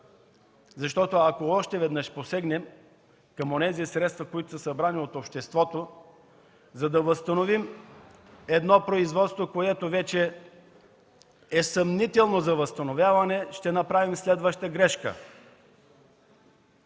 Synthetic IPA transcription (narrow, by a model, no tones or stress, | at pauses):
zɐʃt̪ɔt̪oɐkoɔʃt̪ɛvɛd̪nəʃposɛɡnɛm | kɐmonɛzisɾɛt̪st̪vɐkoit̪ʊsəsɐbɾaniot̪opʃt̪ɛst̪vɔt̪o | zɐd̪ɐvəst̪ɐnovim | ɛd̪nɔpɾoizvɔt̪st̪vokoɛt̪ovɛt͡ʃɛ | ɛsɐmnit̪ɛlˠnozɐvəst̪ɐnovʲjavɐnɛʃt̪ɛnɐpɾavimslɛd̪vəʃt̪əɡɾɛʃkə̰